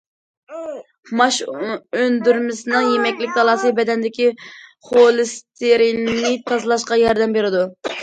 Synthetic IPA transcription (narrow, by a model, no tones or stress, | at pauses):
mɑʃønd̪yɾmɪsɪnɨŋjemɛkʲlɪkʲd̪ɑlˠɑːsɨbɛd̪ɛnd̪ɪkʲiχolˠɨst̪ʰeɾinnɨt̪ʰɑzlˠɑʃqɑjɑɾd̪ɛmbeɾɪd̪u